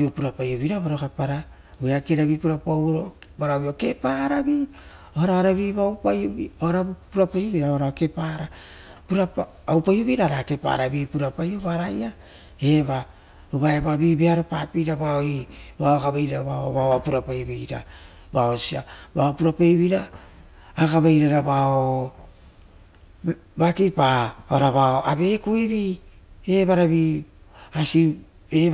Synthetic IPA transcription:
biopuɾapajoβiɾaβaɾokapaɾa | beakeɾaβipuɾapawɾobaɾaβiokepaɾabi | ohaɾaaɾaβiβawpajobiohaɾapuɾapajoβiɾaaɾake̞paɾa | puɾapa | awpajoβiɾaɾakepa̰ɾabipuɾapajoβaɾaja | eβa | ubaebabibeaɾopapiɾabaoibaokabajɾaɾaβaoβaoapuɾapajbijɾa̰ | baosia̰baopuɾapajβiɾaː | kaβajɾaɾabao | bakipaaɾaβaoʔabe̞kueβieβaɾaβi | asi | e

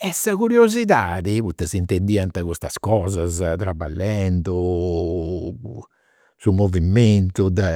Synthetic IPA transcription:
ɛsːakuɾjoziðaːðiput̪ːasint̪end̪iːant̪akust̪askɔːzazt̪ɾabːa̰lːɛnd̪u | sumovimːent̪ud̪ɛ

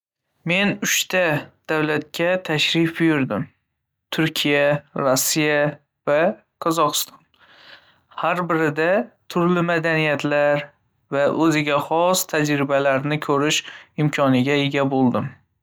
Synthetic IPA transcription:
me̞nʊʃt̪ʰad̪̥awlat̪̚kʲʰat̪ʰaʃɾɪfbɪjʊɾd̪ɪm | t̪ʰʊɾkʲʰijaɾosːija | va | qʰɒzɒqʰɨ̥st̪ʰɒn | haɾbɪɾɪd̪at̪ʰʊɾlɪmad̪anijat̪ʰlaɾ | vaʔɵzɪɡʲaχɒst̪ʰad͡ʒɾɪbalaɾnɪkʲʰɵɾɪʃɪmkʰɒnɪɡʲaeɡʲabolˠd̪ɪm

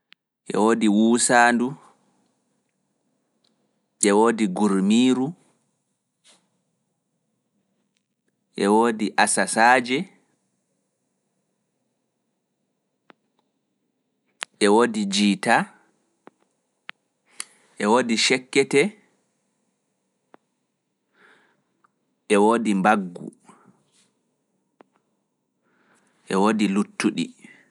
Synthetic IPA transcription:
ʔɛ̰woːdiwuːsaːndu | ʔɛwoːdiɡuɾmiːɾu | ʔɛwoːdiʔasasaːd͡ʒɛ | ʔɛwodid͡ʒiːta | ʔɛwodiʃɛkːɛtɛ | ʔɛwoːdimbaɡːṵ | ʔɛwodilutːuɗi

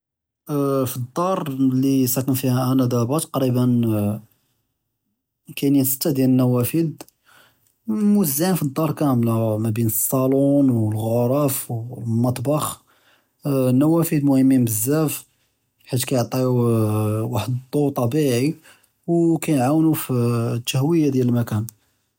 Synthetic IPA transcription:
fid̪ˤːɑɾˤlisækənfihæʔænæd̪æbɑt̪ɑ̥qɾibən | kænjəsə̥t̪ːæd̪jælənːæwæfid̪ | mʊəzːænfid̪ˤːɑɾˤkæmlmæbinəsˤːɑlunwəlɣoɾˤɑfwlmɑt̪ˤbɑx | nːæwæfid̪mʊhəmːibəzːæf | ħit̪kæjoʕt̪ˤi | waħəd̪t̪ˤːot̪ˤɑbiʕi | wkæjnʕawnufit̪ːæhwəjːad̪jæləlmækæn

